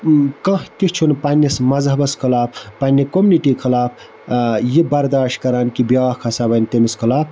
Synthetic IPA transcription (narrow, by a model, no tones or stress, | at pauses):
kɐɦt̪it͡ʃʰunpanʲːismɐzɦɐbɐskʰɐlaːpʰpɐnʲːikomuniʈikʰɐlaːpʰ | jibɐɾd̪aːʃʈ̚kɐɾaːnkibjaːkʰɐsabɐnt̪emiskʰɐlaːpʰ